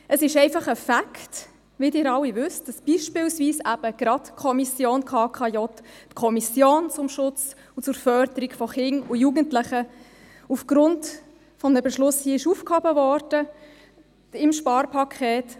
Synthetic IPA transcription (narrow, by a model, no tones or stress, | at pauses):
ʔəsɪʃɛɪfɑχəfakʰt | vɪdɪːɾɑlwivʏstd̥ɑsb̥iʃpɪlsviːsæb̥əɡ̥ɾɑtkʰɔmisjoːnkʰɑːkʰɑjɔttkʰɔmisjoːnt͡sʊmʃʊt͡s | ʊt͡sʊɾfœɾd̪əɾiɡfɔχɪnʊjuɡəntlɪχə | ufɡ̥ɾʊnt | fɔməbɛʃlʊshiəɪʃuːfkhɔbəvɔrd̥ə | ɪmʃpɑːɾpʰɑkʰɛːt